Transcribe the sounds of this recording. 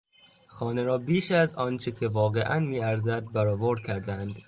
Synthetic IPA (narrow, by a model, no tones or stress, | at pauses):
xɒːneɾɒːbiːʃæzɒːnt͡ʃʰecʲʰe̞vɒːɣe̞ʔænmiːæɾzæd̪̚bæɾɒːvoɾd̪̥̚cʰæɾd̪ænd̪̥